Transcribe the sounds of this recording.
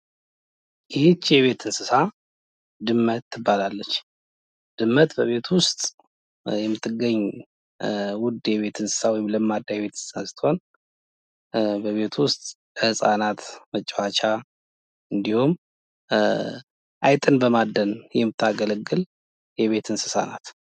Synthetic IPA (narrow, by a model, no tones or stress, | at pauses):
jɪhet͡ʃːjɛβe̞t̪ʰɨnsɨsa | d̪ɨmːət̪ʰːɨbːalalːət͡ʃː | d̪̥ɨmːət̪bəβe̞t̪ʰwʊst̪ʼ | jɛmːɨt̪ʰːɨɡːəɲː | wʊd̪jɛβe̞t̪ʰɨnsɨ̥sawɔjɪmləmːad̪ːajɛβe̞t̪ʰɨnsɨ̥sansɨ̥t̪ʰːho̞n | bəβe̞t̪ʰwʊst̪ʼ | lhɨsʼanat̪mət͡ʃʼːwat͡ʃʰa | ɨnd̪ihum | ʔajt̪ʼɨnbəmad̪ənjɛmːɨt̪ʰːaɡələɡːɨl | jɛβe̞t̪ʰɨnsɨ̥sa̰na̰t̪